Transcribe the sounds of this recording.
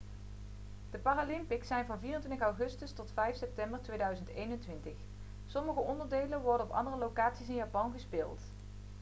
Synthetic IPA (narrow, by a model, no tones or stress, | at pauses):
d̥əpaːralɪmpɪksɛjnvɑnviːrəntʋɪntəxɑwχɵstəstɔtfɛjfsɛp̚tɛmbəɹtʋejdœɥzəntejnɛntʋɪntəχ | sɔməχəʔɔndəɹdejlənʋɔɹdənɔpɑ̰ndərəlowkaːtsisɪnjaːpɑnɣəspɪːlˠt